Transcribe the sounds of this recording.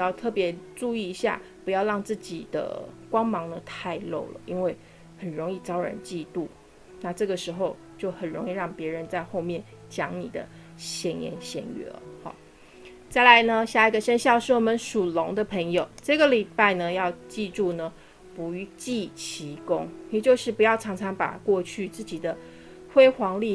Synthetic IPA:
jɑ˥˧ʊt̪ʰɤ˥˩pjɛ˧˥ʈ͡ʂu˥˧i˥˩i˧˥ɕja̰˥˩pu˧˥jɑ˥˧ʊɻɑ˥˧ŋt͡sɹ̩˥˩t͡ɕḭ˨˩d̪̥ə̰˦kwɑ˥ŋmɑ˧˥ŋd̪ə˨t̪ʰa˥˧ɪlo̰˥˩ʊlə̰˩ʔi˥nwe˥˩ɪ | xə˨˩nɻo˧˥ŋi˥˩t͡sɑ˥ʊɻə̰˨˩˦nt͡ɕi˥˧t̪u˥˩ | na˥˧ʈ͡ʂɤ˥˩ɡə˩ʂɻ̩˧˥xo˥˧ʊ | t͡ɕjo˥˩ʊxə˨˩nɻo˧˥ŋi˥˧ɻɑ˥˩ŋpjɛ˧˥ɻə˧˦nt͡sa˥˧ɪxo˥˧ʊmjɛ˥˩n | t͡ɕjɑ˥ŋnḭ˨˩d̪ə̰˦ | ɕjɛ˧˥njɛ̰˧˥nɕjɛ̰˧˥nɛ̰˧˥lə̰˦xɔ̰˨˩ | t͡sa˥˩ɪla˧˥ɪnə˧ɕja˥˩i˧˩ɡə˨ʂə˥nɕjɑ˥˧ʊʂɻ̩˥˩wɔ˨˩mə˦nʂu˨˩lʊ˧˥ŋd̪ə˧pʰə˧˥ŋjo˨˩ʊʈ͡ʂɤ˥˩ɡə˨li˨˩pa˥˩ɪnə˩jɑ˥˧ʊt͡ɕi˥˧ʈ͡ʂu˥˩nə˨ | pu˧˥y˧˥t͡ɕi˥˨t͡ɕʰi˧˥kʊ˥ŋjɛ˨˩t͡ɕjo˥˧ʊʂɻ̩˥˩pu˧jɑ˥˩ʊʈ͡ʂʰɑ˧˥ŋt͡sʰɑ˧˥ŋpa̰˨˩kwɔ˥˧t͡ɕʰy˥˧t͡sɹ̩˥˩t͡ɕi˨˩d̪ə˦ | xwe˥ɪxwɑ˧˥ŋli˥˩

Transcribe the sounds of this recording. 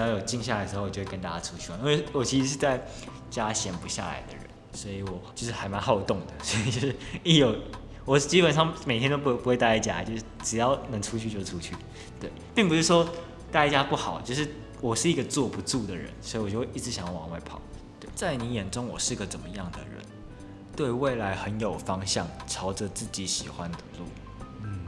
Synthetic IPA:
jjo˨˩ʊt͡ɕi˥˧ŋɕ̬ja˥˩l̩˧˩˧wt͡ɕo˧we˥˧ə˦nt̪a˥˧˩t͡ɕja˥ʈ͡ʂʰu˥t͡ɕʰy˥˩˨wɔ˥˩o˥˩wɔ˨˩t͡ɕʰi˧˥ʂ̩˧ʂ̬ɻ̩˥˧t͡sa˥˩ɪ | t͡ɕja˥ɕjɛ˧˥npu˧ɕja̰˥˩la̰˧˦ɪd̪ə̰˨ɻə̰˧˦n | swɔ˧˥i˨˦wɔ˨˩t͡ɕo˥˧ʊʂɻ̩˥˩xa˧˥ɪma˧˥nhɑ˥ʊjt̪ʊ˥˩ŋd̪ə˩swɔ˧˥i˨˩t͡ɕjo˥˧ʊʂɻ̩˥˩ni˧˥jo˨˩ʊ | wɔ˨˩t͡ɕi˥pə˨˩nʂɑ˥˩ŋme˨ɪt̪ʰjɛ˥nt̪o˥ʊu˧pu˧xwe˥˧t̪a˥˩i˥˩t͡ɕja̰˥˨˦t͡ɕjo˥˧ʊʂɻ̩˥˩ʈ͡ʂɻ̩˨˩jɑ˥˩ʊnə˧˦˥ŋʈ͡ʂʰu˥t͡ɕʰy˥˧t͡ɕjo˥˩ʈ͡ʂʰu˥t͡ɕʰy˥˩ | t̪we˥˩ɪpi˥˩ŋpu˧ʂɻ̩˥˩ʂwɔ˥ | t̪a˥˧ɪ˥˩t͡ɕja˥pu˥˩xɑ˨˩˦ʊt͡ɕjo˥˧ʊʂɻ̩˥˩ | wɔ˨˩ʂɻ̩˥˩i˧˥ɡə˨t͡swɔ˥˨pu˧˦ʈ͡ʂu˥˩d̪ə˩ɻə̰˧˦nswɔ˧˥i˧wɔ˨t͡ɕjo˥˧we˥˧˦ʔi˥˩ʈ͡ʂɻ̩˧˥ɕjɑ˨˩ŋ˨wɑ̰˨˦ŋwe˧˥ɪpʰɑ̰˨˩˦ʊ | t̪we˥˩ɪt͡sa˥˩ɪni˧˥jɛ˨˩nʈ͡ʂʊ˥ŋwɔ̰˨˩ʂɻ̩˥˩i˦ɡə˨t͡sə˨˩mə˦jɑ˥˩ŋd̪ə̰˩ɻə̰˧˦n | t̪we˥˧ɪwe˥˩ɪla˧˥ɪxə˧˦njo˨˩ʊfɑ˥ŋɕjɑ˥˩ŋʈ͡ʂʰɑ˧˥ʊʈ͡ʂə˨t͡sɹ̩˥˩t͡ɕi˧˥ɕi˨˩xwa˦nd̪ə˨lɔ̰˥˨˩n̩˥˩

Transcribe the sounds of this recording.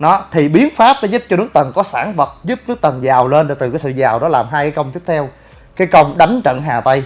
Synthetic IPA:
nɔ˨˦t̪ʰi˨˩ɓi˨˦ənfaː˦˥p̚ɗɔ˨˦zu˦˥p̚t͡ɕɔ˧nɨ˦˥ək̚t̪ə˨˩nkɔ˨˦sa̰ː˧˩nvə˨˩t̚zu˦˥p̚nɨ˦˥ək̚t̪ə˨˩nzaː˨˩wle˧nɗt̪ɨ˨˩kaː˨˦jsɨ̰˧˨zaː˨˩wɗɔ˨˦laː˨˩mɦaː˧jkaː˨˦jkə˧wŋ͡mt͡ɕɨ˦˥t̚t̪ʰɛ˧w | kaː˨˦jkə˧wŋ͡mɗa˨˦jŋ̟t͡ɕə̰˧˨nɦaː˨˩t̪ə˧j

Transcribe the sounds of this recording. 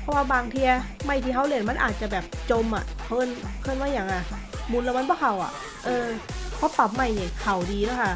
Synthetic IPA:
pʰɔ˧˥˩waː˧baː˧ŋt̪ʰi˧ɐ | ma˧˩jt̪ʰiː˧ha˦˥˩wli˧˩ə˨˩nma˧˥nʔaː˨˩t̪̚t͡ɕa˨˩bɛː˨˩p̚t͡ɕo˧mʔa̰˨˩ʔkʰɤː˧˥˨nkʰɤː˧˥˨nmaː˧˥˨jaː˨˩ŋːʔa˧˩mu˧nla˧wma˧˥nbɔ˧˥˩kʰa˨˩wʔa̰˨˩ | ʔɤː˧kʰɔː˧˥˦pa˨˩p̚ma˧˩jni˧˩kʰa˨˩wdiː˧la˦˥˩kʰa˥˩

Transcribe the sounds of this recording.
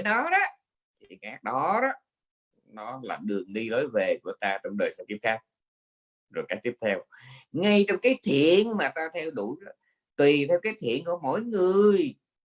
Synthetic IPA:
e˧˦nɔ˨˦ɗɔ˨˦ | t̪ʰi˨˩˨kaː˨˦˥k̚ɗɔ˨˦ɗɔ˦ | nɔ˨˦la̰ː˨˩ɗɨ˨˩əŋɗi˧lo˨˦jve˨˩ku˧˩ət̪aː˧t͡ɕɔ˧wŋ͡mɗəː˨˩jsɛ̰˧˥t̪i˦˥p̚xaː˦˥k̚ | zo˨˩jkaː˦˥k̚t̪i˦˥p̪̚ʰɛ˧wŋa˧jt͡ɕɔ˧wŋ͡mkaː˨˦jt̪ʰḭ˧˨ənmaː˨˩t̪aː˧t̪ʰɛ˧wɗu˧˩jɔ˨˦ | t̪wi˨˩t̪ʰɛ˧wkaː˨˦jt̪ʰḭ˧˨ənku˧˩əmo̰˧˥˨jŋɨ˨˩əəj

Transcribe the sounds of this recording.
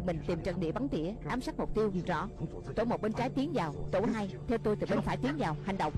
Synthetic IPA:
mï˨˩ŋ̟t̪i˨˩mt͡ɕə̰˧˩nɗḭ˧˨va˨˦nt̪ḭ˧˨əʔaː˨˦msa˦˥k̚mʊ˨˩k͡p̚t̪i˧əwzɔ̰˧˥ | t̪o̰˧˩˦mo˨˩ɓe˧nt͡ɕaː˨˦jt̪i˨˦əŋzaː˨˩wt̪o˧˩ɦaː˧jt̪ʰɛ˧wt̪o˧jt̪ɨ˨˩ɓe˧nfaː˧˩jt̪i˨˦əŋzaː˨˩wha˨˩jŋ̟ɗə̰˧˨wŋ͡m

